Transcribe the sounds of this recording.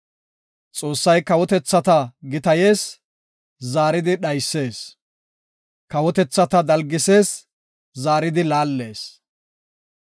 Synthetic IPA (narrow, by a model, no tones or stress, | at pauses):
t͡sʼo̞ːsːɐjkɐwɔt̪ɛt͡sːɐt̪ɐɡɪt̪ɐje̞ːs | zaːɾɪd̪ɪɗɐjsːe̞ːs | kɐwɔt̪ɛt͡sːɐt̪ɐd̪ɐlɡɪse̞ːs | zaːɾɪd̪ɪlaːlːe̞ːs